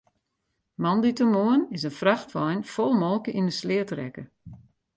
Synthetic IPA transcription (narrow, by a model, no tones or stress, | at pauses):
mɑnditəmoənɪsənfraxtʋɔjnfɔlˠmɔlˠkəʔinəslɪətrɛ̰kə